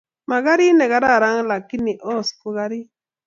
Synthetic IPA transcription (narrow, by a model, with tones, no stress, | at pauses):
ma˨ɣa˦ɾi˦nɛ˨ɣa˨˦ɾa˦˨ɾa˦ŋla˨ki˦ni˨ʔo˦˨sku˦ɣa˦ɾi˦